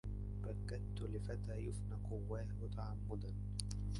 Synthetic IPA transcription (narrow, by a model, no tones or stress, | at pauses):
bakːat̪ːʊlɪfat̪aːjʊfnaqʊwːaːhʊt̪aʕamːʊd̪an